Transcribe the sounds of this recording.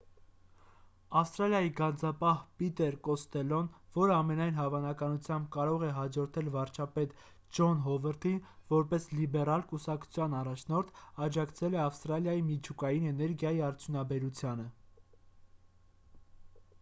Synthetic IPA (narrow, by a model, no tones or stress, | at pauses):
ɑfst̪ɾɑljɑjiɡɑnd͡zɑpɑhpit̪ɛɾkɔst̪ɛlɔnvɔɾəɑmɛnɑjnɦɑvɑnɑkɑnut͡sʰjɑmbkɑɾɔʁɛɦɑd͡ʒɔɾt̪ʰɛlvɑɾt͡ʃʰɑpɛt̪ | d͡ʒɔnɦɔvəɾt̪ʰinvɔɾpɛslibɛrɑlkusɑkt͡sʰu̥t͡sʰjɑnɑrɑt͡ʃʰnɔɾt̪ʰɑd͡ʒɑkt͡sʰɛlɛɑfst̪ɾɑljɑjimit͡ʃʰukɑjinɛnɛɾɡjɑjiɑɾt͡sʰjunɑbɛɾut͡sʰjɑnə